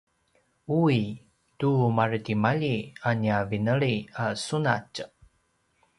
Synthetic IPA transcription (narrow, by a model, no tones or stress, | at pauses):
ui | tumartimaʎianiavinəɭiasunac